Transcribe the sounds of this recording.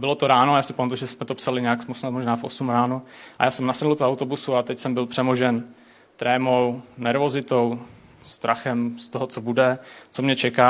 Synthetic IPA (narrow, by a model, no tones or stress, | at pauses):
bɪlot̪oɾaːnojaːsɪpomnt̪oʒɛsmɛt̪opsalɪɲɛjaksmosnat̪moʒnaːfʔosumɾaːnoʔa̰jaːsɛmnasɛdl̩t̪oawt̪o̞busuat̪ɛcsɛmbɪlpr̥ɛmoʒɛn | t̪ɾɛːmownɛɾvo̞zɪt̪o̞w | st̪ɾaxɛmst̪oɦot͡sobudɛt͡so̞mɲɛt͡ʃɛkaː